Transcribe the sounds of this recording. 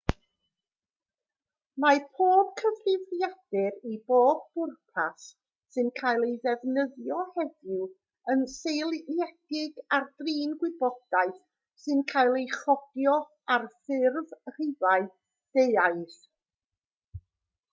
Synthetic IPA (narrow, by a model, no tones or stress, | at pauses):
mapʰoːb̥kʰəvrɪvrjad̥ɪɾiboːb̚ːʊrpʰasː | ɨnkʰajlˠejðɛvnəðjɔhɛðɪw | ənsejlˠjɛd̥ɪɡardriːnɡwɪbɔd̥aɨθ | sɨnkʰaːjlˠejχɔdjɔ | arθɪrvr̥ɪvaɨ | ðeaɨθ